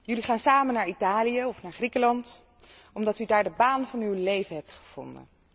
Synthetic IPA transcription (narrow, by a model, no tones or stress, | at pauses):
jɵliχaːnsaːmənaːɹitaːlijəɔfnaːɹχrikəlɑnt | ɔmdɑtydaːɹdəbaːnvɑnywlejvənɦɛp̚tχə̥v̥ɔ̰ndə̰n